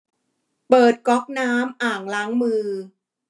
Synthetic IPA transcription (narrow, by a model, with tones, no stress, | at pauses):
pɤː˨˩t̪̚kɔ˦˥k̚naː˦˥mʔaː˨˩ŋlaː˦˥ŋmɯː˧